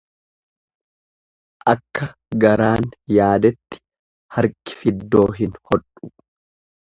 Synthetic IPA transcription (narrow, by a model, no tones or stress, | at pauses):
ʔɐkːɐ | ɡɐɾaːnjaːd̪ɛt̪ːɪ̥ | hɐɾkɪ̥fɪd̪ːo̞ːɦɪnhɔᶑʼʊ̥